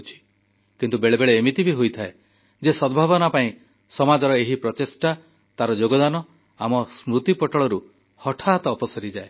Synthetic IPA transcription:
t͡ʃʰi̥ | kint̪ubeɭebeɭeːmit̪ibʱiɦojt̪ʰae | d͡ʒesɔbʱabɔnapaĩ | sɔmad̪ɔɾɔeɦipɾɔt̪esʈa | t̪aɾɔd͡ʒoɡɔd̪anɔ | amɔsmɾut̪ipɔʈɔɭɔɾu | hɔʈʰat̪ɔːpɔsɔɾid͡ʒae

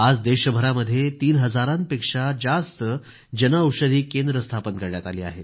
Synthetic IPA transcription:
ad͡zd̪eɕəbʱəɾaməd̪ʱːjet̪iːnɦəd͡zaɾãnpekʂad͡zast̪ə | d͡ʑənauwʂəd̪ʱiːkend̪ɾəst̪ʰapənkəɾɳjat̪aliːa̰ɦet̪

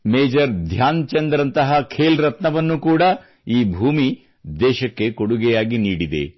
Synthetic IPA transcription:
meːd͡ʒɐɾd̪ʱjaːnt͡ʃɐnd̪ɾɐnt̪ɐɦɐkʰeːlɾɐt̪nɐʋɐnːukuːɽɐ | iːbʱuːmi | d̪ɛːʃɐkːe̞koɽuɡɛjaːɡiniːɽid̪ḛ

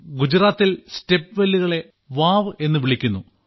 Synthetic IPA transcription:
ɡud͡ʑiɾaːt̪ːilste̞pːɨʋelːiɣɐɭe̞ | ʋaːʋɨe̞nːɨʋiɭikʲːunːu

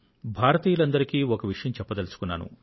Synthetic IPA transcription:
bʱaːɾɐt̪iːjɐlɐnd̪ɐɾikiːɔkɐʋiʂɐjɐmt͡ʃɛpːɐt̪ɐlisu̥kunːa̰ːnṵ

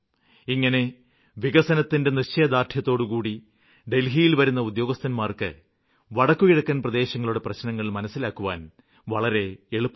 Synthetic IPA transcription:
iŋːɐne̞ | ʋiɣɐsɐnɐt̪ːinde̞nit͡ɕːɐjɐd̪aːrt̪ʰjɐt̪ːo̞ːɽukuːɽi | ɖe̞lɦijilʋɐɾunːɐud̪jo̞ːɡɐst̪ɐnmaːrkɨ̰ | ʋɐɽɐkːukiɽɐkːɐnprɐd̪e̞ːɕɐŋːɐɭuɽe̞prɐɕnɐŋːɐɭilmɐnɐsːilaːkːuʋa̰ːn | ʋɐɭɐɾe̞eɭupː

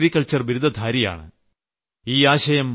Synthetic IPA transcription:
ɾikːɐɭt͡ɕɐrʋiɾud̪ʱɐd̪ʱaːɾija̰ːɳɨ̰ | iːaːɕɐjɐm

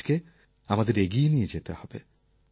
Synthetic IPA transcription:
ke | amad̪eɾeɡinijed͡ʑet̪ehɔb̥ḛ

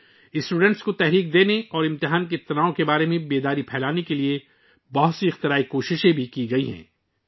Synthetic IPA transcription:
ɪsʈuːɖɛ̃ɳʈskot̪ɛɦɾiːk̚d̪eːneɔːɾɪ̃mt̪ɪɦaːnket̪ɐnaːõkebaːɾemẽbeːd̪aːɾipʰɛːlaːnekelie | bɐɦʊt̪siɪxt̪ɪɾaːikoːʃɪʃẽbʱikiɡɐiɦɛ̰̃ː

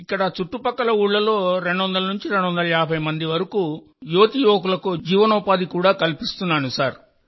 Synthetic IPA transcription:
ikːɐɽɐt͡ʃuʈːupɐkːɐlɐuːɭːɐlo̞ːɾe̞ɳɖuʋɐnd̪ɐlɐnuɲt͡ʃiɾe̞ɳɖuʋɐnd̪ɐlɐjaːbʱɐjmɐnd̪iʋɐɾɐkuː | joːt̪ijoːk̬ulɐkud͡ʒiːʋɐnuːpaːd̪ikuːɽaːkɐlipist̪unːaːnusaːɾ

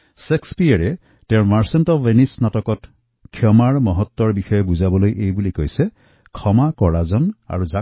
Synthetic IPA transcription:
sekspijaɹɛ | teʊ̃maɹsɔntɔːenisnatɔkɔt | kʰːjɔmaɹmɔɦɔt̪ːwɔɹbixɔjɔbuzabɔlojʔejbulikojse | kʰɔmakɔɹazɔna̰ɹuza

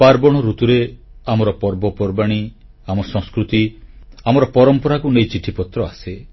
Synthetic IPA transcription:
paɾbɔɽ̃ɔɾut̪uɾeamɔɾɔpɔɾbɔpɔɾbaɽ̃i | amɔsɔ̃ŋskɾut̪iamɔɾɔpɔɾɔmpɔɾakunejt͡ʃiʈʰipɔt̪ɾɔase

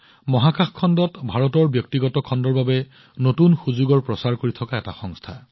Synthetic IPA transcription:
mɔɦakaxkʰːɔndɔtbʱaɹɔtɔɹbjɔk̚tiɡɔtɔkʰɔndɔɹbabɛ | notunxuzuɡɔɹpɹɔsaɹkoɹitʰɔkaɛta̰xɔŋstʰa̰

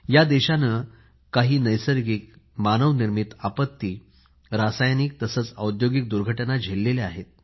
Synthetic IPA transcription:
jad̪eɕanə | kaɦiːnəjsəɾɡiːk̚manəʋniɾmit̪apət̪ːiː | ɾasajniːk̚t̪əsəːt͡sə̰wd̪joɡik̚d̪uɾɡʱəʈnad͡ʑʱelːeleaɦet̪̚

